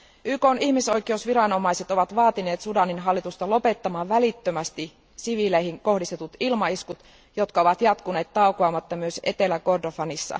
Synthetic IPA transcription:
ʔyːko̞ːnʔiçmiso̞jk̟e̞usʋiɾɑno̞mɑise̞t̪o̞ʋɑt̪ʋɑːt̪ine̞ːt̪sudɑninɦɑlːit̪ust̪ɑlo̞pe̞t̪ːɑmɑːʋʋælit̪ːømæst̪i | siʋilejɦiŋko̞hdist̪e̞t̪ut̪ilmɑiskut̪ | jo̞t̪kɑo̞ʋɑt̪jɑt̪kune̞ːt̪ːɑukoɑːmɑt̪ːɑmyøse̞t̪e̞læko̞rdofɑnisːɑ̰

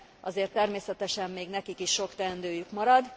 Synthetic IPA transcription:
ʔɒzeːrt̪ːɛrmeːsɛt̪ɛʃɛmːeːɡnɛkikiʃːo̞kt̪ɛnd̪øːjykmɒɾɒd̪

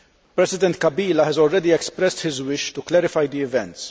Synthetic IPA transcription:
pɾɛsɪd̪ɛnt̪̚kɐbiːlɐhɛzɔlɾɛd̪iɛkspɾɛst̪ħɪzwɪʃt̪ʊklɛɾɪfɐjd̪iɪvɛ̃nt̪s

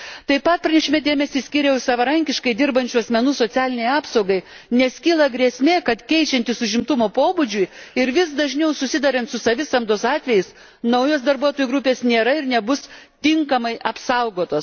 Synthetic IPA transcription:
t̪ɐɪpɐt̪̚pɾɐnʲɛʃʲɪmʲed̪ʲeːmʲɛsʲiːsʲkʲiːɾʲɛʊsɐʋɐɾɐŋʲkʲɪʃkɐɪd̪ʲɪɾbɐnʲt͡ʃʲuɐsʲmʲɛnuːsoːt̪sʲæːlʲɪnʲɛɪɑːpsɐʊɡɐɪnʲɛskʲiːlˠɐɡɾʲiɛsʲmʲeːkɐt̪kʲɛɪt͡ʃʲɛnt̪ʲɪsʊʒʲɪmt̪ʊmoːpoːbʊd͡ʒʲʊjɪɾʋʲɪsd̪ɐʒʲnʲɛʊsʊsʲɪd̪ɑɾʲɐnt̪sʊsɐʋʲɪsɐmd̪oːsɑːt̪ʲʋʲɛjɪs | nɐʊjoːsd̪ɐɾbuɔt̪oːjuɡɾʊpʲeːsnʲeːɾɐɪɾnʲɛbʊst̪ʲɪŋkɐmɐɪʔɐpsɐʊɡoːt̪oːs

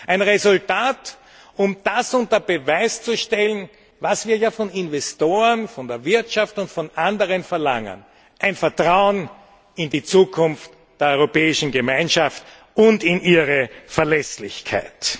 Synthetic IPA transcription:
ʔæɪnʁezʊltaːt | ʊmd̥asʊntɐbəvaɪst͡suʃtɛlən̩ | vasv̥iːɐjaːfɔnɪnvɛstoːənfɔndeːɐvɪɐtʃaftʊntfɔnʔandəʁənfɛɐlaŋə̰n | ʔæɪnfɛɐtʁaʊən | ɪndit͡suːkʰʊnft | d̥eːɐɔʏʁopɛːɪʃn̩ɡəmaɪnʃaft | ʊntɪnʔiːʁəfɛɐlɛslɪçkʰa̰ɪt

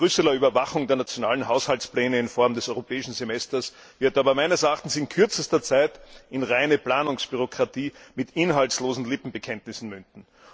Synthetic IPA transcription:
b̥ʁʏsɛlɐyːbɐvaχʊŋdeːɐnat͡sjonaːlənɦaʊshaltsplɛːnəɪnfɔɐmdɛsɔʏʁopʰɛːɪʃn̩zemɛstɐs | vɪɐtaːbɐmæɪnəsɛɐaχtn̩sɪnkʰʏɐt͡səstɐt͡saɪtɪnʁaɪnəplaːnʊŋsb̥yʁ̞okʁ̥atʰiːmɪtɪnɦaltsloːzn̩lɪpm̩bəkʰɛntnɪsn̩mʏndn̩

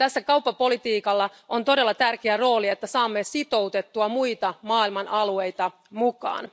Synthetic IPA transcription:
t̪æsːækɑuwpːɑpo̞lit̪iːkɑlːɑʔont̪o̞de̞lːɑt̪ærkeæro̞ːlie̞t̪ːæsɑːmːesit̪o̞wt̪e̞t̪ːuɑmuit̪ɑmɑːilmɑnʔɑlue̞jt̪ɑ | mukɑ̰ːn

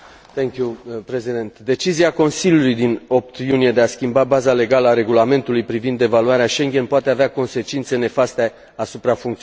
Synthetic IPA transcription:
t̪eŋkʲjupɾezid̪ent̪d̪e̞t͡ʃiziako̞nsilʲjulujd̪ino̞p̚t̪junije̞d̪e̞askʲimbabazale̞ɡaləaɾe̞ɡulame̞nt̪ulujpɾivind̪e̞valuaɾeaʃe̞ŋɡʲe̞npoat̪e̞aveako̞nse̞t͡ʃint̪sene̞fast̪e | asupɾafuŋkt̪si

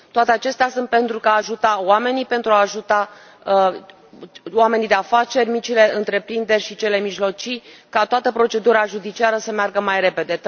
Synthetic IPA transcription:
t̪oat̪eat͡ʃe̞st̪easunt̪̚pe̞nt̪ɾukaːʒut̪awame̞nipe̞nt̪ɾuaːʒut̪a | oame̞nid̪e̞afat͡ʃe̞rʲmit͡ʃile̞ɨnt̪ɾe̞pɾind̪e̞rʲʃit͡ʃe̞le̞miʒlo̞t͡ʃikat̪oat̪əpɾo̞t͡ʃe̞d̪uɾaʒud̪it͡ʃiaɾəsəmearɡəmajre̞pe̞d̪e̞

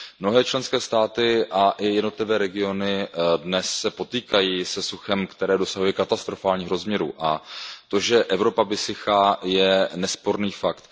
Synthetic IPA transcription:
mno̞ɦɛːt͡ʃlɛnskɛːst̪aːt̪ɪʔaʔɪjɛdno̞t̪lɪvɛːɾɛɡɪo̞nɪdnɛsːɛpo̞t̪iːkajiːsɛsuxɛmkt̪ɛɾɛːdo̞saɦujɛkat̪ast̪ɾo̞faːlɲiːxɾo̞zmɲɛɾṵʔat̪o̞ʒɛʔɛvɾo̞pavɪsɪxajɛnɛspo̞ɾniːfakt̪

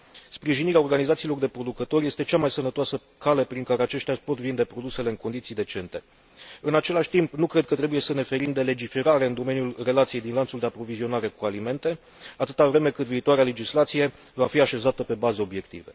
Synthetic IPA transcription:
spɾiʒiniɾeao̞rɡanizat̪siːlo̞rd̪e̞pɾo̞d̪ukət̪o̞ɾje̞st̪et͡ʃamajsənət̪oasə | kale̞pɾiŋkaɾe̞at͡ʃe̞ʃt̪eapo̞t̪vind̪e̞pɾo̞d̪use̞le̞ɨŋkond̪it̪sijd̪e̞t͡ʃe̞nt̪e̞ | ɨnat͡ʃe̞laʃʲt̪impnukɾe̞d̪̚kət̪ɾe̞buje̞səne̞fe̞ɾimd̪e̞le̞d͡ʒife̞ɾaɾe̞ɨnd̪o̞me̞njulre̞lat̪sije̞jd̪inlansuld̪e̞apɾo̞vizio̞naɾe̞kualime̞nt̪e̞ | at̪ɨt̪avɾe̞me̞kɨt̪viːt̪oaɾeale̞d͡ʒislat̪sije̞ | vafiaʃe̞zat̪əpe̞bazeo̞bje̞kt̪ḭve̞

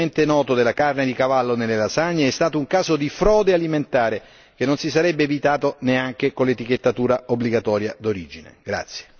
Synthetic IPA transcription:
ent̪enɔːt̪od̪elːakarned̪ikavalːonelːelasaɲːeɛst̪aːt̪ouŋkaːzod̪ifɾɔːd̪ealiment̪aːɾe | k̟enːonsisaɾɛbːevit̪aːt̪oneaŋk̟ekolet̪ik̟et̪ːat̪uːɾaobːliɡat̪ɔːɾjad̪oɾid͡ʒinḛɡ̥ɾa̰t̪sːje̥

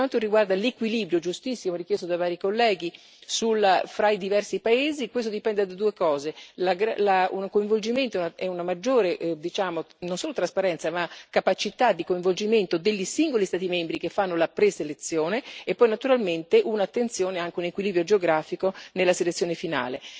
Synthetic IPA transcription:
want̪oriɡward̪alekwiliːbɾjod͡ʒust̪isːimorik̟jest̪od̪avaːɾikolːɛːɡi | sulafɾaid̪ivɛrsipaeːzikwest̪od̪ipɛnd̪ed̪ad̪uːekɔːzelaɡɾa̰launkoiɱvold͡ʒiment̪oɛunaɛunamad͡ʒːoːɾed̪it͡ʃaːmo | nonsoːlot̪ɾaspaɾɛnt̪samakapat͡ʃit̪ad̪ːikoiɱvold͡ʒiment̪od̪eʎːisiŋɡolist̪aːt̪imembɾikefːanːolapɾeselet̪sːjoːneepːɔjnat̪uɾalment̪eʔunat̪ːent̪sjoːneaŋk̟eunekwiliːbɾjod͡ʒeoɡɾaːfikonelːaselet̪sːjoːnefina̰ːle

